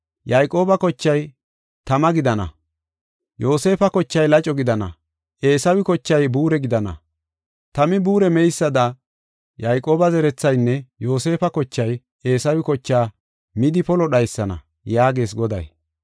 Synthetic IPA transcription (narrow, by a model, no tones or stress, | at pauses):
jɐjkʼo̞ːbɐkɔt͡ʃːɐj | t̪ɐmɐɡɪd̪ɐnɐ̰ | jo̞ːse̞ːfɐkɔt͡ʃːɐjlɐt͡ʃʼɔɡɪd̪ɐnɐ̰ | ʔe̞ːsɐwɪkɔt͡ʃːɐjbuːɾɛɡɪd̪ɐnɐ̰ | t̪ɐmɪbuːɾɛmɛjsːɐd̪ɐ | jɐjkʼo̞ːbɐzɛɾɛt͡sːɐjnːɛjo̞ːse̞ːfɐkɔt͡ʃːɐj | e̞ːsɐwɪkɔt͡ʃːaː | mɪd̪ɪpɔlɔɗɐjsːɐnɐ̰ | jaːɡe̞ːs̬ɡɔd̪ɐ̰j